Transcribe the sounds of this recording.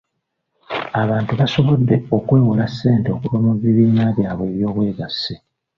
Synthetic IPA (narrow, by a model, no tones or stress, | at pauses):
aβaːntuβaso̞βodːe̞o̞kwe̞ːwulasːe̞ːnteokuβomuβːiβiːnaβjaːβweβjo̞ːβwe̞ːɡasːi